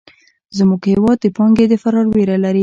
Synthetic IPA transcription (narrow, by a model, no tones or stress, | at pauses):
zmuɡhɪwɑd̪̚ːəpɑŋɡed̪əfaɾɑɾweɾalaɾi